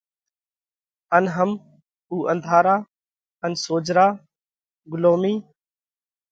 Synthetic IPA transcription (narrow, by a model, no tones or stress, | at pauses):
ənɦəm | uːʔənd̪ʱaːɾaː | ənsoːd͡ʒɾaː | ɡʊloːmiː